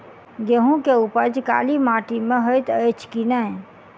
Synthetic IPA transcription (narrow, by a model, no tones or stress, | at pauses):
ɡeɦũkeupəd͡ʒka̰ːlimãʈimẽɦəjt̪əjt͡ʃʰkinã